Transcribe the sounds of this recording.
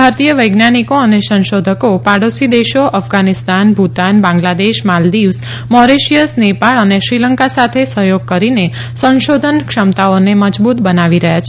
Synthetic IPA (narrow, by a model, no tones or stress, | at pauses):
bʱaɾt̪ijəʋəjɡnanikoənesə̃nʃod̪ʱəkopaɽosid̪eʃoʔəfɡanist̪anbʱut̪anbãŋɡlad̪eʃmald̪iʋs | mɔɾeʃijəsnepaɭəneʃɾiləŋkasat̪ʰesəɦjoɡ̚kəɾine | sə̃nʃod̪ʱənkʃəmt̪aoneməd͡ʒbut̪bənaʋiɾəɦjat͡ʃʰe